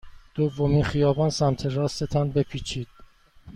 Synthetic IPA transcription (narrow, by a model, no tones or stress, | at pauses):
d̪̥ovːomiːnxijɒːbɒːnsæmt̪ʰeɾɒːst̪et̪ʰɒnbepʰiːt͡ʃʰiːd̪̥